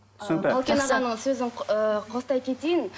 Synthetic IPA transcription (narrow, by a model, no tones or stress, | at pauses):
sɑlˠkʲenɑʁɑnəɴsɵzɪɴqʰost̪ɑjkʲʰe̞t̪ejɪn